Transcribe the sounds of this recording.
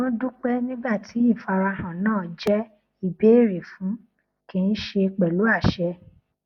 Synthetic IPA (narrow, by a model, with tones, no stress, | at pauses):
nõ˦du˦k͡pɛ˦nĩ˦ɡ͡ba˦˨ti˨˦i˦˨fa˧ɾa˧hã˨nãː˦˨d͡ʒɛ˦ | i˦˨be˨˦e˦˨ɾe˨fũ˨˦ | kĩ˧n̩˦ʃe˧k͡pɛ˨lu˨˦a˦˨ʃɛ˧